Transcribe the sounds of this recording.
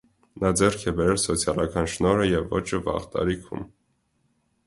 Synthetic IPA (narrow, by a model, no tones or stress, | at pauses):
nɑd͡zɛrkʰɛbɛɾɛlsɔt͡sʰjɑlɑkɑnʃnɔɾəjɛvːɔt͡ʃʰəvɑ̰ʁt̪ɑ̰ɾikʰṵm